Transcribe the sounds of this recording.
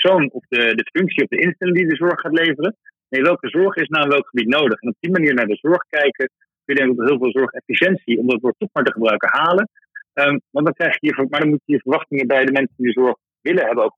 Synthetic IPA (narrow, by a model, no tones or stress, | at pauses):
psownɔfdədəfɵŋksiɔvdəʔɪnstɛlɪŋdidəzɔɹχːaːtlejvərəneʋɛlˠkəzɔɹχɪsnawɪnʋɛlˠkχəbitnowdəχɛnɔb̚dimaniːɹnaːɹdəzɔɹχkɛjkə | køjədɛŋkɔtɦɪːlˠvɪːlˠzɔɹχɛfiʃɛnsiɔmdɑtʋɔɹtɔχmaːɹtəχəbrœɥkənɦaːlən | əmʋɑntdɑŋkrɛjχɪ̥kiːvəmaːɹdɑnmutəiːɹvəɹʋɑχtɪŋəbɛjdəmɛnsəndidəzɔɹχ | ʋɪləɦɛbənowk